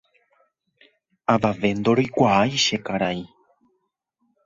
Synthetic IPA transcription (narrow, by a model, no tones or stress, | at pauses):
aʋaʋe̞nd̪oɾojkʷaajʃe̞kaɾai